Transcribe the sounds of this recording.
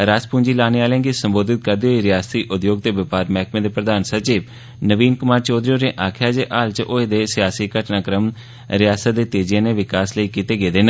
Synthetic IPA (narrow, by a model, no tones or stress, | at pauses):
ɾaːspũːɲd͡ʒiːlaːneːaːljãːŋɡisəmboːd̪ɪt̪̚kəɾd̪eːɦoːiːɾɪjaːst̪iːʔʊd̪joːɡ̚t̪eːʋəpaːɾmɛːkʰmẽːd̪eːpɾəd̪aːnsət͡ʃiːb | nəʋiːnkʊmaːɾt͡ʃɔːd̪ɾijoːɾẽːʔaːkʰjaːd͡ʒeːʔaːlt͡ʃʔoːed̪eːsɪjaːsiːkəʈnaːkɾəm | ɾɪjaːsət̪d̪eːt̪eːd͡ʒɪjãːneːʋɪkaːsləiːkit̪eːɡeːd̪eːnə̃